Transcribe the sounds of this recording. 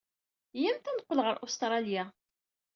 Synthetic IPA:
jæmt̪ænəqːəlʁəɾʔust̪ɾˤɑlja

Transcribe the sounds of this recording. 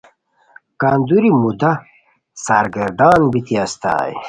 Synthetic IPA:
kaːnd̪uɾimud̪ɐ | saːɾɡɐɾd̪aːnbit̪iɐst̪a̰ːj

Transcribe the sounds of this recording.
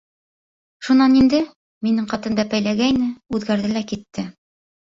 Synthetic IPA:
ʃunɑnind̪ɘ | minɘɴqɑt̪ɤ̆nb̪æpæjlæɡæjnɘʉðɡæɾðɘlækit̪ːɘ

